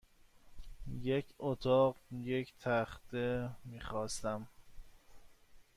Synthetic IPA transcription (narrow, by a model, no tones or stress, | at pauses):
jekʰot̪ʰɒːɢjecʰt̪ʰæxt̪ʰemiːxɒːst̪æm